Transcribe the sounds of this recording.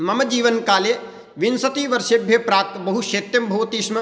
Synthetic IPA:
mɐmɐd͡ʒiːʋɐnkaːleː | ʋɪnsɐt̪iːʋɐɾʃebʱjepɾaːt̪bɐɦuʃeːt̪jɐmbʱɐːʋt̪iːʃmɐ

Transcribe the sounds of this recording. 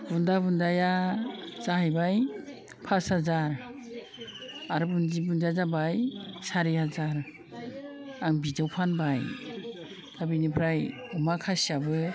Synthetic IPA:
bundaβundaja | z̥ahajbaj | pʰashazaɾ | aɾɯbund͡ʒibund͡ʒazabajsaɾihazaɾ | aŋbizawpʰanbaj | tabinipʰɾajɔmakʰasiabɯ

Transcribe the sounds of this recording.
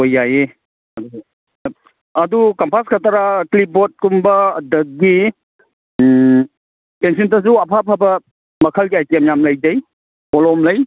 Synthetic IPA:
ojːaje | ɐdu | ɐdukampʰaskʰatʰaɾaklip̚ːɔt̚kumbɐdɐk̚ɡi | pensiuntas̬uɐpʰapʰabɐ | mɐkʰəlɡiajtamjamlɐjd͡ʒɐj | pɔlɔmlɐj

